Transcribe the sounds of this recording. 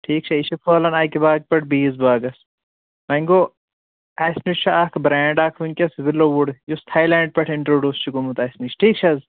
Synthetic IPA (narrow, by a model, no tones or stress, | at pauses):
ʈʰiːk̚t͡ʃʰɐit͡ʃʰifoːlɐnaːkibaːɡ̚pɐʈ̚ʰbiːzbaːɡɐs | mɐŋɡoː | aːsnit͡ʃʰuaːkʰbɾɛ̃ːɳɖaːkʰʋiŋkʲɐsbɪlːoʋuɽjost̪ʰaːjlɛːɳɖ̚pʲɐʈʰɪɳʈɾoːɖʲjuːst͡ʃʰikomut̪aːsmit͡ʃʰʈʰiːk̚t͡ʃʰɐz